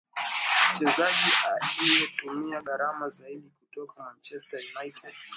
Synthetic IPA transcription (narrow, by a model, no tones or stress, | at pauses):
m̩t͡ʃɛzad͡ʒiʔalijetumijaɡaɾamazaiɗikutɔkamant͡ʃɛstajnajtʰɛd